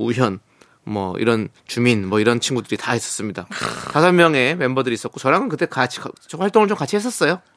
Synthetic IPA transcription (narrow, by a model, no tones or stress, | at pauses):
uɦjʌn | mwʌ̰ḭɾʌnt͡ɕuminmwʌiɾʌnt͡ɕʰinɡudɯɾitaes͈ʌs͈ɯmɲidatasʰʌnmjʌŋe̞wembʌdɯɾiːs͈ʌk͈ot͡ɕʌɾaŋɯnkɯt͈ekat͡ɕʰi̥kaoɸaɭt͈oŋɯɭt͡ɕomkat͡ɕʰihes̬͈ʌs͈ʌjo